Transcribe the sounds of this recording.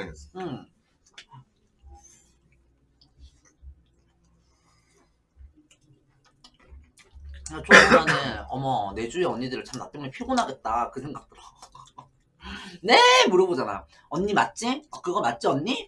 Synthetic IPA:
eɯ | at͡ɕ͈oaneʌmʌne̞d͡ʑueʌnːidɯɾɯɭt͡ɕamna̰t͈eŋmɯɲepʰjoɡonɦaɡe̞t̚t͈akɯsʰe̞ŋɡak̚t͈ɯɾʌ | nemuɾʌbod͡ʑana̰j | ʌnːimat̚t͡ɕ͈iʌkɯɡʌmat̚t͡ɕ͈iʌɲːi

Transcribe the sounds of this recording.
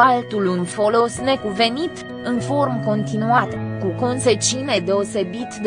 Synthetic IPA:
alt̪ulunfo̞lo̞sne̞kuve̞nit̪ | ɨnfo̞rmko̞nt̪inuat̪kuko̞nse̞t͡ʃiune̞d̪e̞o̞se̞bit̪d̪

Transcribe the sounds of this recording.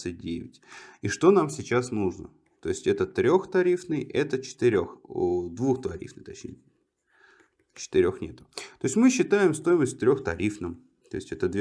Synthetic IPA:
sɨt̚ʲdʲḛvʲɪ̰tʲiʂt̪o̞namsʲɪt͡ɕasnuʐnə̰ | t̪o̞ɪsʲtʲɛt̪ət̪ɾʲo̞xt̪ɐɾʲifnɨjʔɛt̪ət͡ɕɪ̥t̪ɪɾʲoxd̪vuxt̪ɐɾʲḭfnɨxt̪ɐt͡ɕnʲḛ | t͡ɕɪ̥t̪ɨɾʲo̞xnʲe̞t̪ʊ̥t̪o̞ɪsʲtʲmɨɕːɪt̪ajɪmst̪o̞jɪməsʲtʲt̪ɾʲo̞xt̪ɐ̰ɾʲifnɨm | t̪o̞̰ɪsʲtʲɛt̪əd̪vʲ

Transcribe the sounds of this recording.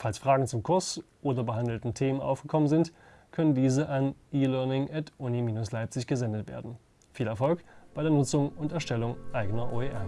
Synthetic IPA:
falsfʁ̥aːɡŋ̩t͡sʊmkʰʊɐsʔoːdɐbəɦandl̩tn̩tʰeːmənʔa̰ʊfɡ̥əkʰɔmənzɪnt | kʰœnəndiːzəʔanʔiːlœɐnɪŋʔɛtʰʔunimiːnʊslaɪp̚t͡sɪçɡ̥əzɛndətv̥ḛːɐdn̩ | fiːlɛɐfɔlkb̥aɪɾeːɐnʊt͡sʊŋʊntɛɐʃtɛlʊŋʔaɪɡənɐʔo̰ːeːʔɛɐ

